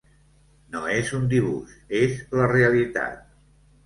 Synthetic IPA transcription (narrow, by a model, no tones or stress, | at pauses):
noezund̪iβṵʃezləreəlit̪a̰t̪̚